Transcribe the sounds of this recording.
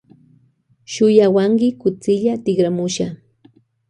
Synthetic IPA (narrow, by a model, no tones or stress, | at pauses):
ʃʊjawaŋkɪkʊt͡sɪʎat̪ɪɡɾamʊʃa